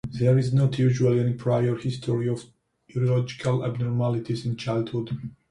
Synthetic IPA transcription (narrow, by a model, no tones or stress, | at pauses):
ðɛɹiznɔtʰjuʒualˠiɛnipʰɹajəɹhɪstʰɔɹiɔv | iɹɔlɔd͡ʒikʰala̰bnɔɹmalit̪ʰizɪ̃nt͡ʃajld̪hud